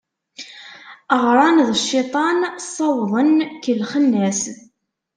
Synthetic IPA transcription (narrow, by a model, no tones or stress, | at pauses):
əʁɾˤɑnðəʃːɪt̪ˤɑnsˤːɑwðˤənkəlχənːæs